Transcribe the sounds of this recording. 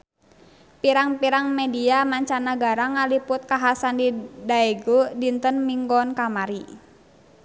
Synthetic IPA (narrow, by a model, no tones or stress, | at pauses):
piɾaŋpiɾaŋmɛdiamaɲt͡ʃanaɡaɾaŋalipʊt̪̚kaɦasandidaɛɡodint̪ənmiŋɡɔnkamaɾi